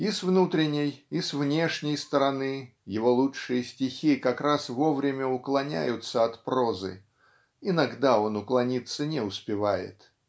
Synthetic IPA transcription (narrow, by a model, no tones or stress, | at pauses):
ɪsvnut̪ɾʲɪnʲɪjɪsvnʲe̞ʂnʲɪjst̪əɾɐnɨ | jɪvo̞lˠuʂɨjəsʲtʲɪxʲikɐkɾasvo̞vɾʲɪmʲəʊklˠɐnʲæ̰jʊt̪səɐt̪pɾo̞zɨ̰ | ɪnɐɡd̪ao̞nʊklˠɐnʲit̪sːənʲɪʊspʲɪvajɪ̰t̪